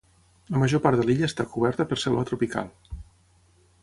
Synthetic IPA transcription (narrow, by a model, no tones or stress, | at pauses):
ləməʒopaɾt̪əliʎəːst̪akuβ̞ɛɾt̪əpəɾsɛlβət̪ɾupika̰lˠ